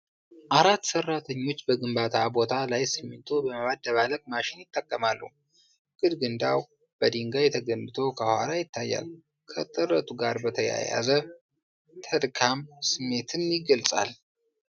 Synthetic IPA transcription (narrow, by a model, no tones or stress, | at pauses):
ʔaɾat̪ːsərːat̪ʰəɲːo̞t͡ʃːbəɡɨmbat̪ʰabo̞t̪ʰalajsɨmːɨnt̪ʰobəmaβad̪ːəβaləkʼmaʃɪnjɪt̪ʼːəkʼːəmalːṵ | ɡ̥ɨd̪ɡɨnd̪aw | b̥əd̪iŋɡajɛt̪ʰəɡənːɨt̪ʰo̞kʰəhʷwalajɪt̪ʰːajːa̰l | kʰət̪ʼɨrət̪ʼuɡaɾbət̪ʰəja̰ja̰zə | t̪ʰəlkʰamsɨmːe̞t̪ʰɨnjɪɡəlt͡sʼa̰l